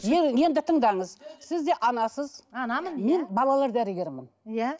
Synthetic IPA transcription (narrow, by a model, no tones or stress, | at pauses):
eje̞nd̪ɪt̪ʰəɴd̪ɑɴəzsɪzd̪e̞ʔɑnɑsəzɑnɑmənme̞nbɑlˠɑlˠɑɾd̪æɾɪɡʲe̞ɾmɪnjæ